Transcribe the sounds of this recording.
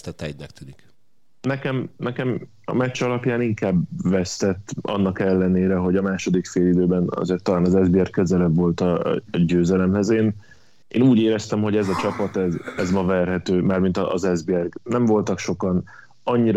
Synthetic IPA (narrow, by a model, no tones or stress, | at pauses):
t̪ɛt̪ɛɟnɛk̚t̪ynik | nɛkɛmnɛkɛm | ɒ̰mɛt͡ʃɒlɒpjaːniŋkaːbʋɛst̪ɛt̪ːʔɒ̰nːɒkɛlːɛneːɾɛɦo̞ɟɒmaːʃo̞d̪ikfeːlid̪øːbɛnɒ̰zeːrt̪ːɒlaːnɒzɛzbiɛrkːøzɛlɛbvo̞lt̪ɒ̰ɟøːzɛlɛmhɛzeːn | ʔeːnuːɟeːɾɛst̪ɛmho̞ɟɛzɒt͡ʃɒpɒt̪ɛzɛzmɒvɛrɦɛt̪øːmaːrmint̪ɒːzɛzbiɛrɡnɛɱvo̞lt̪ɒkʃo̞kɒn | ɒɲːiɾ